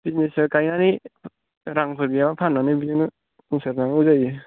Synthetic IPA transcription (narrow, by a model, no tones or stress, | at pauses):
b̥iznesɯkajnani | ɾaŋpʰɯɾbiabapʰanːanɯbizinɯ | uŋsaɾnaŋuzaji